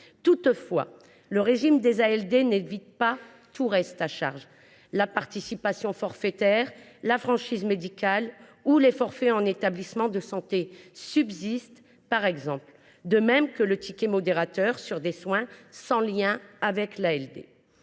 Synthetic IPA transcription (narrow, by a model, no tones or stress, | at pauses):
t̪ut̪fwa̰ | ləʁeʒimd̪ezaɛld̪enevit̪̚pa | t̪ʰuʁɛst̪aʃa̰ʁʒ | lapaʁt̪isipasjɔ̃fɔʁfɛt̪ɛʁlafχɑ̃ʃizmed̪ikʲalulefɔʁfɛɑ̃net̪ablismɑ̃d̪əsɑ̃t̪esybzist̪ | paʁɛɡzɑ̃pl | d̪əmɛmkələt̪ikʲemɔd̪eʁat̪œʁsyʁd̪eswɛ̃sɑ̃ljɛ̃avɛklaɛld̪ḛ